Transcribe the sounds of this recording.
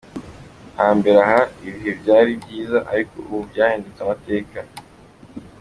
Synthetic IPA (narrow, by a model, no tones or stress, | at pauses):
haːmbe̞ɾahaiβiɦe̞bɟaːɾibɟiːzaʔaɾiko̞̰uβubjaːhiːndet͡samate̞ːka